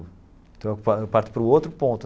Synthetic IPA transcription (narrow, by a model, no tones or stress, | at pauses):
t̪ɐ̃wɐkpapaɾt̪ɪ̥pɾuowt̪ɾʊpõnt̪u